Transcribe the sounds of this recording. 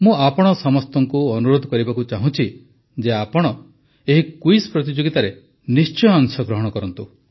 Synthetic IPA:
mũapɔɽ̃ɔsɔmɔst̪ɔŋkuɔnuɾod̪ʱɔkɔɾibakut͡ʃaɦũt͡ʃʰi | d͡ʒeapɔɽ̃ɔ | eɦikuispɾɔt̪̬id͡ʒoɡit̪aɾe | nist͡ʃɔjɔŋsɔɡɾɔɦɔɽ̃ɔkɔɾɔnt̪u

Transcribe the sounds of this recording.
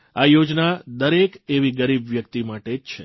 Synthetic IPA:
ajod͡ʒnad̪əɾekeʋiɡəɾibʋjəkt̪imaʈet͡ʃʰe

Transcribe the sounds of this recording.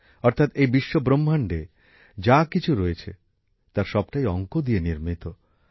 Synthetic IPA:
ɔɾt̪ʰat̪ejbiʃːobɾomːaɳɖe | d͡ʑakit͡ɕʰuɾoet͡ɕʰḛ | t̪aɾʃɔb̚ʈajɔŋkod̪ieniɾmit̪o

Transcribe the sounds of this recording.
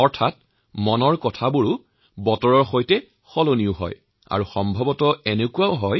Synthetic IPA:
ɔɹtʰat̚ | mɔnɔɹkɔtʰabuɹʊ | bɔtɔɹɔɹxojtɛ | xɔloniʊɦɔ̰j | a̰ɹuxɔmbʱɔbɔtɔɛnekuaʊɦɔj

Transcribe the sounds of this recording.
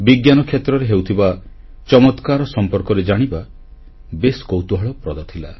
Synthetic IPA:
biɡjanɔkʰjet̪ɾɔɾeɦewt̪ʰiba | t͡ʃɔmɔt̪kaɾɔsɔmpɔɾkɔɾed͡ʒaɽ̃iba | beskowt̪uɦɔɭɔpɾɔd̪at̪ʰila

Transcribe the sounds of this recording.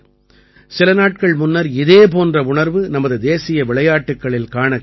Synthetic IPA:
sɪlɐnaːʈ̚kɐɭmʊnːɐɾɪðeːp̬oːndrɐʊɳɐɾʋɯnɐmɐðɯd̪eːsɪjɐʋɪɭɐjaːʈːɯkːɐɭɪlkaːɳɐ

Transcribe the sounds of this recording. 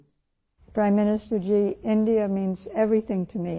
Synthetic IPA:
pʰɹ̥ãɪ̃mːɪ̃nɨstə˞d͡ʒiɪ̃ndiɨmĩnzɛvɹiθɪ̃ŋtʰɨmi

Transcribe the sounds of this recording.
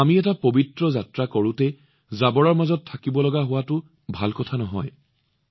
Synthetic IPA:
amiɛtapobitɹɔzatɹakoɹʊ̃tɛ | zabɔɹaɹmazɔtʰːakibɔlɔɡaɦʊwatʊ | bʱalkɔtʰanɔɦɔ̰j

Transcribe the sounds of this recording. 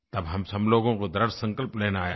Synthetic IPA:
t̪ɐbɦɐmsɐbloːɡõkod̪ɐɾəɾsɐ̃ŋkəlpleːnaːjaː

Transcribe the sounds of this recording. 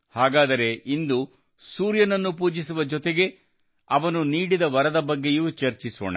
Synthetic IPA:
haːɡaːd̪ɐɾe̞ind̪u | suːɾjɐnɐnːupuːd͡ʒisuʋɐd͡ʒɔt̪eɡe̞ | ɐʋɐnuniːɽid̪ɐʋɐɾɐd̪ɐbɐɡːejuːt͡ʃɐɾt͡ʃiso̰ːɳɐ̰

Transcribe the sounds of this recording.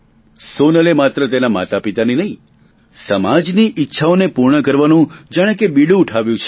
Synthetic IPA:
sonəlemat̪ɾət̪enama̰t̪apit̪aninəɦĩ | səmad͡ʒniʔitːʃʰaonepuɾɳəkəɾʋanũd͡ʒaɽ̃ẽkebiɽũːʈʰaʋjũt͡ʃʰe

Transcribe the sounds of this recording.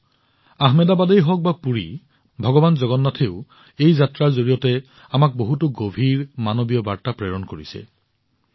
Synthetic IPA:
aɦmedabadejɦɔk̚bapuɹi | bʱɔɡɔbanzɔɡɔnːatʰeʊ | ejzatɹaɹzoɹijɔtɛ | amak̚boɦutʊɡobʱiɹmanobijɔbaɹtapɹeɹɔnkoɹisɛ̰

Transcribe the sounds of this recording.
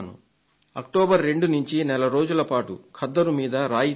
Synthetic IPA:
nṵ | ɐ̰k̚ʈɔːbɐɾːe̞ɳɖunuɲt͡ʃinɛlɐɾo̞ːd͡ʒulɐpaːʈukʰɐd̪ːɐɾumiːd̪ɐɾaːji

